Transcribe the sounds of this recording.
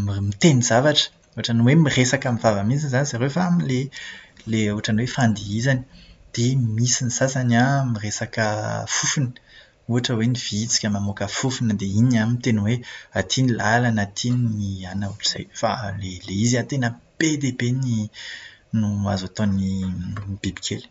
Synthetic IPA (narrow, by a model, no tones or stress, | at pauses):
mimit̪enizavaʈ͡ʂə̥ | uaʈ͡ʂaniwemiresakəmivavəmizinzanizaɾefaamileleuɦaʈ͡ʂanwefãnd̪iizani̥d̪̥emisinisasanamiresakəfufunə̥ | uaʈ͡ʂəweniv̥it͡si̥kʲəmamokəfufunəd̪einamint̪enəweat̪ʰinilalanat̪ʰinnianauʈ͡ʂiz̥a̰jfa̰leleiziat̪enəb̥ed̪ebeni | nua̰zat̪ɔ̃ni | b̥ibi̥kʰel